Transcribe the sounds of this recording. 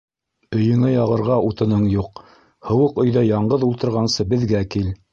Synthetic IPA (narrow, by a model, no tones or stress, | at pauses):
ɵ̆jɵ̆ŋɘjɑʁɤ̆ɾʁɑut̪ɤ̆nɤɴjuq | hɤ̆wɤqɵ̆jðɑjɑɴɢɤðulˠt̪ɤ̆ɾʁɑnsɤbɘ̆ðɡækil